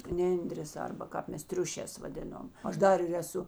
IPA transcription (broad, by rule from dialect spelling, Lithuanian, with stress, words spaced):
ˈnʲɛnʲdʲrʲeːs ˈɐrbɐ ˈkɑːp ˈmʲɛs ˈtʲrʲʊʃʲɛːs ʋɐˈdʲɪnoːm ˈɐʃ ˈdɐr ɪr ɛˈsʊ